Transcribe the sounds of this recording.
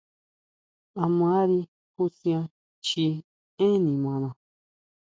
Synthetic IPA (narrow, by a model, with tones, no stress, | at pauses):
a˧mã˦ɾi˧ | ku˦sĩ˧ã˧ | t͡ʃi˧ | ẽ˦nĩ˨mã˨nã˨˧